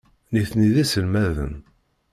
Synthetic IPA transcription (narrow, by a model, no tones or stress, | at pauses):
niθniðisəlmæðə̰n